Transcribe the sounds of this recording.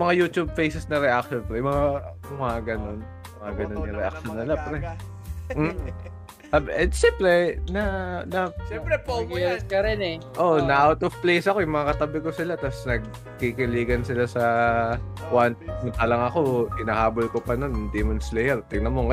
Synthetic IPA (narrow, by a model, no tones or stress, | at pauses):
mɐŋajuːt̪ub̚fejsɛsnɐɾɛʔak̚ʃonpɐɾɛjmɐŋa | ʊmɐaɡɐno̞n | mɐŋaɡɐno̞nːɐɾɛʔa̰k̚ʃonːɪlapɾɛ | m̩ː | abɛsɛmpɾɛnɐnɐɛpɾɛpoɛɾskɐɾɛnɛ | ʔonɐʔawt̪ovplejsɐko̞jʊŋmɐŋakɐt̪ɐbɪkosɪlat̪asnɐɡ̚ | kikɪliːɡɐnsɪlasɐ | kwant̪nɐt̪alɐŋɐko̞ʔɪnaːhaːbolkopɐnond̪imɐnslɛjɛɾt̪ɪɡnɐmoŋkɐ